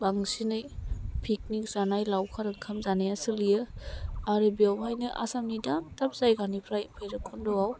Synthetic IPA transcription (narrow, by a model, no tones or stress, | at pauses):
baŋsinɯjpʰik̚nik̚zanajlawkʰaɾɯkʰamzanajasɯlijɯaɾɯbiawmajnɯʔa̰samnidamtap̚zajɡanipʰɾajpʰɯjɾɯkʰːɔndɔwaw